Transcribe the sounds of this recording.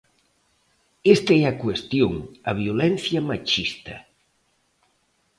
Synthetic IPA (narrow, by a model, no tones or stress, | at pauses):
est̪aɛɐkwest̪joŋɐ̰βjolɛn̟θjamat͡ʃist̪ɐ